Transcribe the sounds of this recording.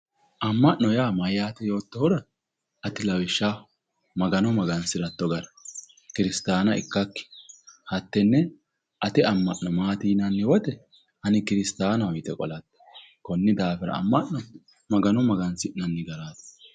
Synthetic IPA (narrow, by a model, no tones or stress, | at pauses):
ʔɐmːɐʔnːɔjaːmɐjjaːt̪ɛjo̞ːt̪ːɔhɔɾɐ | ʔɐt̪ɪlɐwɪʃːa | mɐɡɐnɔmɐɡɐnsɪɾɐt̪ːɔɡɐɾɐ̥ | kɪɾɪst̪aːnɐɪ̰kːɐkːɪ̥hɐt̪ːɛnːɛ | ʔɐt̪ɛɐmːɐʔnɔmaːt̪iːnɐnːɪwɔt̪ɛ | hɐnɪkɪɾɪst̪aːnɐwɔjt̪ɛkʼɔ̰lɐt̪ː | kɔnːɪd̪aːfɛɾɐ̰ɐ̰mːɐʔɔ | mɐɡɐnɔmɐɡɐnsɪʔnɐnːɪɡɐɾaːt̪